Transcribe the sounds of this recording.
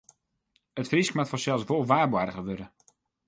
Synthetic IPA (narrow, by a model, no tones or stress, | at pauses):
ətfriskmatfɔsɛlˠsʋolˠʋaːbwadəɣəʋøɾə